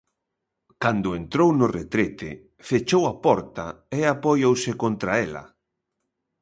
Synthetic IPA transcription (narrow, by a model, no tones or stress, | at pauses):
kand̪ʊent̪ɾownʊret̪ɾet̪ḛ | fet͡ʃowapɔɾt̪aeapojowsɪkont̪ɾaelɐ̰